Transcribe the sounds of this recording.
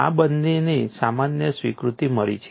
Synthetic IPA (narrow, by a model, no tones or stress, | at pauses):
a̰bənːenisamanjəsʋikɾut̪iməɭḭt͡ʃʰ